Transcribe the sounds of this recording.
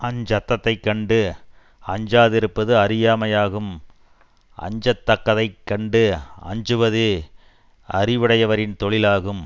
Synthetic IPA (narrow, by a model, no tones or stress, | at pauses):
ʔɐnd͡ʒɐt̪ːɐt̪ːɐɪkːɐɳɖɯ | ɐɲd͡ʒaːðɪɾɯpːɐðɯɐɾɪjaːmɐjaːɣɯm | ʔɐ̰ɲd͡ʒɐt̪ːɐkːɐðɐɪkːɐɳɖɯɐ̰ɲd͡ʒɯʋɐðɯ | ɐ̰ɾɪʋɪɽɐjɐʋɐɾɪnt̪ɔɭɪlaːɣɯm